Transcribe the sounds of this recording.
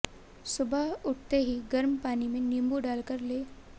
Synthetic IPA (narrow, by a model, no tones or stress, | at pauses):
subʱauʈ̚t̪eɦiːɡəɾmpanimenimbuɖalkəɾle